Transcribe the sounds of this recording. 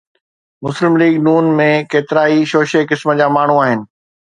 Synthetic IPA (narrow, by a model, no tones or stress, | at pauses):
mʊslɪmliːɡnuːnmẽkeːt̪ɪɾaːiʃoːʃekɪsmə̆d͡ʑaːmaːɳ̤uaːɦɪnɪ̆